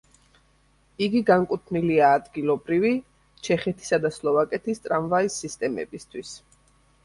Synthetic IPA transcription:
iɡiɡaŋkʼut̪ʰniliaːd̪ɡilˠɔbɾivi | t͡ʃʰɛχɛt̪ʰi̥sad̪aslˠɔvakʼɛt̪ʰist̪ʼɾamvaisːist̪ʼɛmɛ̰bist̪ʰwis

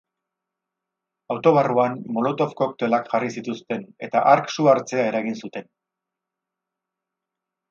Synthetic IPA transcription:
awt̪o̞βaruanmo̞lo̞t̪o̞fko̞kt̪e̞lakʝarisit̪ust̪e̞ne̞t̪aʔaɾksuaɾt͡se̞ae̞ɾaɣinsut̪e̞n

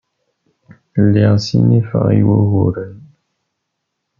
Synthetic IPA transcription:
lɛsḭnifa̰jwoɣoɾən

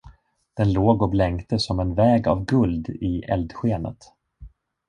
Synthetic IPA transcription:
d̪̥ɛnloːɡɔblɛŋkt̪əsɔmɛnvɛːɡa̰vɡɵld̪ɪʔɛ̰ld̪ɧeːnə̰t̪

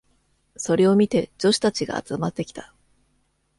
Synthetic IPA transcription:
so̞ɾe̞o̞mʲit̪e̞d͡ʑo̞ɕi̥t̪at͡ɕiɡa̰ːt͡sɨmat̪ːe̞kʲi̥t̪ḁ

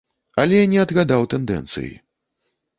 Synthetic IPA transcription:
ɐlʲɛnʲɛɐd̪ɣad̪awt̪ɛnd̪ɛ̰nt̪sɨ̰jḭ

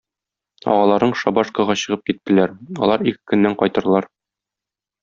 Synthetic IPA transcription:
ɒ̰ʁɑlˠɑɾnɤɴʃɒbɑʃkɤ̆ʁɑɕɤ̆ʁɤp̚kit̪ːɘ̆læɾɒ̰lˠɑɾikɘ̥kɵ̆nːæɴqɒjt̪ɤ̆ɾlˠɑɾ

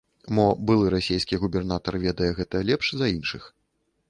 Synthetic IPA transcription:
mɔbɨlˠɨɾasʲejskʲiɣubʲɛrnat̪ɐrvʲɛd̪ɐjɛɣɛt̪ɐlʲɛpʂzɐinʂɨx

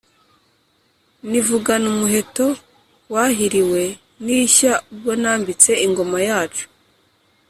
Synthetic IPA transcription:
nivuɡanumuɦe̞to̞ | waɦiɾiwe̞ | niçaub̚ɡo̞naːmbit͡se̞iŋɡo̞majaːt͡ʃu̥

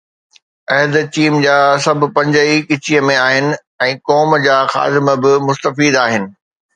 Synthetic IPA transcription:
ɐɦd̪t͡ɕiːmd͡ʑaːsɐbʱʊ̆pɐ̃ɲd͡ʑəikɪt͡ɕijəmẽaːɦɪnɪ̆ | ɛ̃ːkɔːmd͡ʑaːxa̰ːd̪ɪməbɪmʊst̪əfiːd̪aːɦɪnɪ̆

